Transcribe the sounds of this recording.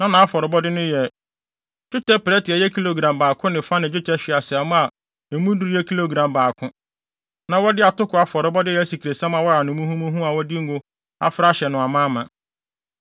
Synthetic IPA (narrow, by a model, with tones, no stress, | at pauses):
nã˦nã˨a˦fɔ˨ɾɪ˨bɔ˦dɪ˦nʊ̃˦jɛ˨ | d͡ʒᶣʊ˦tʰɛ˦pɾɛ˦tɪ˨ɛ˨jɛ˦kʰi˦lo˨ɡã˨mbaː˨kʰʊ̃˦nɪ̃˨fa˦nɪ̃˨d͡ʑᶣʊ˦tʰɛ˦ɕᶣɪ˨a˨sɪ˨a˨mʊ̃˦a˨ | e˨mũ˦du˦ɾɛ˦kʰi˦lo˨ɡɾã˨mbaː˨kʰʊ̃˦ | nã˨wɔ˦dɪ˦a˨tʊ˦kʰʊ˨a˨fɔ˨ɾɪ˨bɔ˦dɪ˦jɛ˨˦si˨kʰi˨ɾe˨sã˦m˦ã˨wɔ˦ɾa˨nʊ̃˨mũ˦hũ˦mũ˦ɦũ˦a˨wɔ˦dɪ˦ŋ̩˦ɡʊ˦ | a̰˨fɾa˦ɕɛ˨nʊ̃˨a˨mã˦mã˨